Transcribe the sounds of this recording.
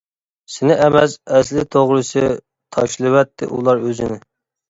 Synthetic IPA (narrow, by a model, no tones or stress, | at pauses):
sɪnɪʔɛmɛsɛslɪt̪ʰoʁɾɨsɨ | t̪ʰɑ̰ʃlˠɨwɛt̪ʰːɪ̰ʔṵlˠɑɾøzɪnɪ